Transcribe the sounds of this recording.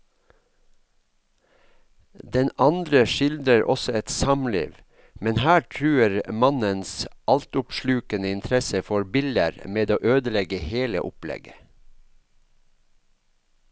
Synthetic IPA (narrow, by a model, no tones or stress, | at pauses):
d̪ɛnʔɑnd̪ɾəʃɪld̪ɾəɾʔɔ̰sɔɛt̪sɑmlḭːʋ | mɛnhæːʈʰɾʉːəɾmɑnənsʔɑlt̪ʊpʃlʉːkənəɪnt̪ʰɾɛsəfɔɾbɪlə̰ɾmeːd̪oːʔøːd̪əlɛɡəheːlə̰ʔʊplɛ̰ɡə